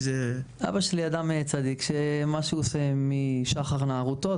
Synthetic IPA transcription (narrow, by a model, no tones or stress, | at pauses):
zeʔa̰baʃeliad̪amet͡sad̪ikʃemaʃeosemiʃaχaʁnaːʁut̪o